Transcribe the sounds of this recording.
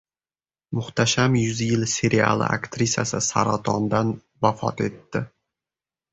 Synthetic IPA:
mʊχt̪ʰaʃamjʊzjɪlse̞ɾʔia̰lˠɪ̰ʔa̰kt̪ɾisʲasɪsa̰ɾat̪ʰɒnd̪an | vafɒ̰t̪e̞t̪ːɪ

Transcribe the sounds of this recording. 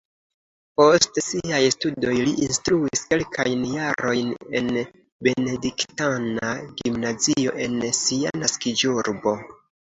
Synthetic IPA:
po̞stsiajstudo̞jliʔinstɾuiske̞lkʰajnjaɾo̞jne̞̰n | be̞ne̞diktanaɡimnazio̞ʔe̞nsia̰naskid͡ʒuɾbo̞

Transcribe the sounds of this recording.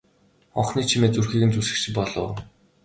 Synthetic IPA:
ɔɴχniːt͡ɕʰimeːt͡surxiːɣɘ̆nt͡susɘ̆kt͡ɕʰɪ̆pɔɮʊ̰w

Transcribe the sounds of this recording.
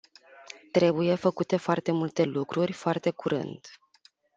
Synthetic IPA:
t̪ɾe̞buje̞fəkut̪e̞foart̪e̞mult̪e̞lukɾurʲfoart̪e̞kuɾɨ̰nd̪

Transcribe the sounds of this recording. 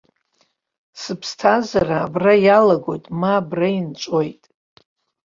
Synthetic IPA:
sɨpʰstʰazaraːbrajalaɡo̞jtʼmaːbraint͡ʃʷʼojtʼ

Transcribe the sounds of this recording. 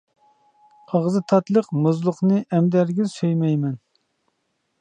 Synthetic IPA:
ɑʁzɨt̪ʰɑt̪lˠəqmuzlˠʊqnɨʔɛmd̪æɾɡʲizsøjmɛjmɛn

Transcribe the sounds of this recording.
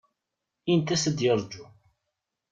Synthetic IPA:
int̪æsəd̪jəɾˤd͡ʒu

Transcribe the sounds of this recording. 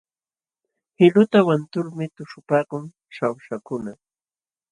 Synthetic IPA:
hɪlʊt̪awant̪ʊɾmɪt̪ʊʃʊpaːkʊŋ | ʃawʃakʊna

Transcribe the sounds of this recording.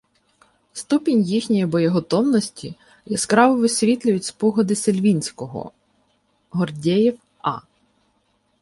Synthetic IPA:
st̪upʲɪnʲjixnʲɔjibɔjiɦɔt̪ɔwnɔsʲtʲi | jɐskɾɑʋʊʋɪsʲʋʲit̪lʲʊjʊtʲspɔɦɔd̪ɪselʲʋʲinʲsʲkɔɦɔ̰ | ɦɔrdʲɛjiw | ɑ̰

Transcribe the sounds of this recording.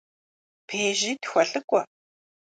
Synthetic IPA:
pʰeːʒiːtxʷɐɬʼɨkʷʼɔ

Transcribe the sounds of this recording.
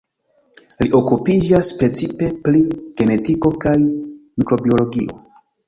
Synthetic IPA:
liʔo̞kupid͡ʒaspɾe̞t͡sipe̞pɾiɡ̥e̞ne̞tiko̞kajmikɾo̞bio̞lo̞ɡiʔo̞̰

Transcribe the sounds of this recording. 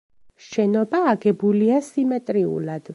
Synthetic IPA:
ʃɛnɔbaːɡɛbuliasimɛt̪ʼɾiṵlad̪̥

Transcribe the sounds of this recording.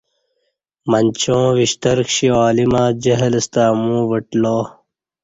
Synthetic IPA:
mɐnʲt͡ɕõːʋiɕt̪ɐɾkɕiaːlimaːd͡ʑɐɦɐləst̪aːmũːʋəʈloː

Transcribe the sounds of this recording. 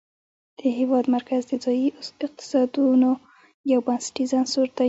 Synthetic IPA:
d̪̥əhɪwɑd̪maɾkazd̪əd͡zɑjiɪq̚t̪ɪ̥sɑd̪uno | jawbansɪ̥ʈizansuɾt̪a

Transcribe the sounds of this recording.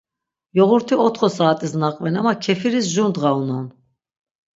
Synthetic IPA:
jɔɣuɾt̪ʰiɔt̪χɔsaːt̪ʼisnaqʼvɛnamakʰɛfiɾisʒund̪ʁaunɔn

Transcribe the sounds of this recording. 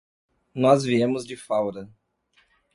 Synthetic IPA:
nɔzviẽmʊzd͡ʒɪfawɾɐ

